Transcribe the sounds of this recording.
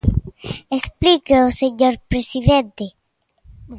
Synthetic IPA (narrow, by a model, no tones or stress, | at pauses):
esplikeoseɲoɾpɾesiðẽnt̪e